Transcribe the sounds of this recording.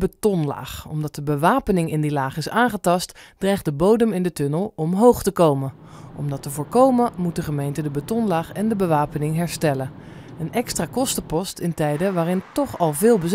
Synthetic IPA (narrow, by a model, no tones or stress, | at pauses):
bətɔnla̰ːχɔmdɑt̚dəbəʋaːpənɪŋɪndilaːχɪsaːŋχətɑstd̥rɛjχdəbowdəmɪndətɵnəlˠɔmɦowχtəkowmə | ʔɔmdɑtəvʊːɹkowməmut̚dəχəmejntədəbətɔnlaːχɛndəbəʋaːpənɪŋɦɛɹstɛlən | ənʔɛkstraːkɔstəpɔstɪntɛjdəʋaːrɪntɔχɑlˠvɪːlˠbəz